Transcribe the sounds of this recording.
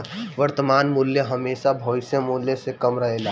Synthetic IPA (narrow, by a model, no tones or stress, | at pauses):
ʋəɾt̪əmaːnmuljəɦəmeːʃabʱoːɪsẽmuljəsekəmɾəɦeːlaː